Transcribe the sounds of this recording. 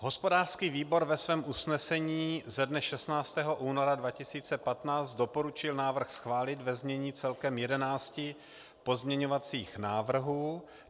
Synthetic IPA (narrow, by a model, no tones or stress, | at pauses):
ɦo̞spo̞daːr̥skiːviːbo̞ɾvɛsvɛːmʔusnɛsɛɲiːzɛdnɛʃɛst̪naːt͡st̪ɛːɦo̞ʔuːnoɾadvacɪsiːt͡sɛpat̪naːt͡sd̪̚do̞po̞ɾut͡ʃɪlnaːvr̩xsxvaːlɪt̪vɛzmɲɛɲiːt͡sɛlkɛmjɛdɛnaːt͡scɪ | po̞zmɲɛɲovat͡siːxnaːvr̩ɦuː